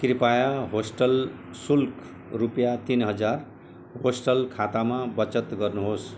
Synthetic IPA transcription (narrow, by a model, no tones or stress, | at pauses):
kirpajaɦosʈʌl | sulkʰ | rupjat̪inɦʌd͡zar | ɦosʈʌlkʰat̪amabʌt͡sʌt̪ɡʌrnuɦos